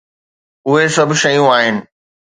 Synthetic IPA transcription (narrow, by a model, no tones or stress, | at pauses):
ʊɦesɐbʱɪʃɐjũaːɦɪnɪ̆